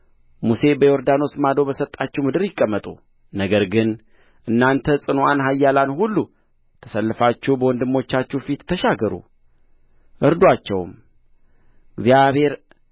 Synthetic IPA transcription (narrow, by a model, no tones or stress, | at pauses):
muse̞bəjo̞ɾd̪ano̞smad̪o̞bəsət̪ʼːat͡ʃːɛwmɨd̪ɨɾjɪkʼːəmːət̪ʼṵ | nəɡəɾɡɨn | ʔɨnːant̪ʰəsʼɨnuanɦajːalanhulːu | t̪ʰəsəlːɨfat͡ʃːɛwbəwɔnd̪ɨmːo̞t͡ʃːat͡ʃːufit̪ːʰəʃaɡəɾṵ | ʔɨɾd̪wat͡ʃːɛwm | ɡzijaβhe̞ɾ